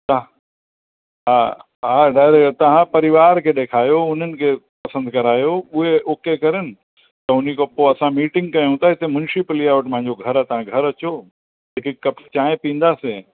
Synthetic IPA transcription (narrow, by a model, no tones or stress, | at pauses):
t̪ɐ | ɦa | ɦaɖaːɪɾekʈt̪ɐɦãpɐɾɪʋaːɾkʰeɗeːkʰaːjoʊn̤ənɪ̆kʰepɐsə̃nd̪kɐɾaːjoʊɦeoːkekɐɾənɪ̆ | t̪ɐʊnikopoɐsãmiːʈɪ̃ŋɡ̚kɐjũt̪aɪt̪emʊnʃɪplijaʋəʈɪmpɐ̃ɦɪ̃ɲ̆d͡ʑoɡʱɐɾat̪ɐɦãɡʱɐɾɐt͡ɕo | eːkɪkkːɐpt͡ɕaːẽpĩːnd̪aːse